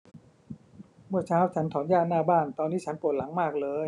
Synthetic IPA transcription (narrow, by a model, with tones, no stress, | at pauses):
mɯ˥˩ət͡ɕʰaː˦˥˩wt͡ɕʰa˦˥nt̪ʰɔː˩˦njaː˥˩nnːaː˥˩baː˥˩nt̪ɔː˧nːiː˦˥t͡ɕʰa˦˥npu˨˩t̚la˩˦ŋmaː˥˩k̚lɤː˧j